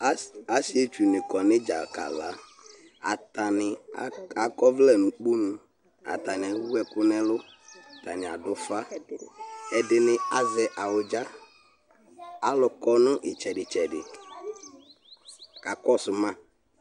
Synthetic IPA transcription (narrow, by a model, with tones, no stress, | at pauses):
a˨˦si˦e˦t͡ʃu˨nɪ̃˨kɔ˨nɪ̃˦d͡ʒa˨ka̰˨la˨˦ | a˨ta˨nɪ˨˦a˨kɔ˦vlɛ˦nʊ̃˨k͡pu˦nʊ̃˨ | a̰˨t̪a˨ɲ˨a˨wu˦wɛ˦kʊ˦nɛ̃˦lʊ˦˨ | t̪a˨nɪ̃˨a̰˨dʊ˦fa˦ | ɛ˨dɪ˨nɪ̃˦a˨zɛ˨ʔa˨wʊ˨d͡ʒa˦ | a˦lʊ˨kɔ˦nʊ̃˦ʔɪ˨t͡ʃɛ˨ɖɪ˨t͡ʃɛ˨dɪ̰˨ | ka˨kɔ˦sʊ˨mã˦